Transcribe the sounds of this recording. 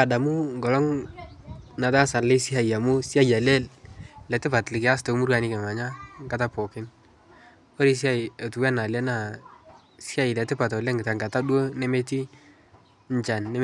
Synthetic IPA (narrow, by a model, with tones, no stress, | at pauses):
a˨da˨mu˦ŋɡɔ˨lɔ˦ŋ | na˨ta˦sa˨nlɪ˦si˦a˨i˨ja˨mu˦si˦a˦ja˨lɛ˦llɛ˨tɪ˦pa˨tlɪ˨kɪ˨a˦s̬to˨˦mu˦ɾka˨ni˦kɛ˨ma˨ɲa˦ŋɡa˦ta˦pɔ˨kɪ˦n | ɔ˦ɾi˦s̬ja˦˨ɪ˨a˨tu˨wɛ˦na˨lɛ˦na˨ | si˦a˦ɪ˨lɛ˨tɪ˦pa˨tɔ˨lɛ˦ŋɡɪ˨ta˨ŋɡa˨ta˦dwo˦nɛ˦mɛ˦ti˦ | ɲ˦t͡ʃa˨nːɛ˦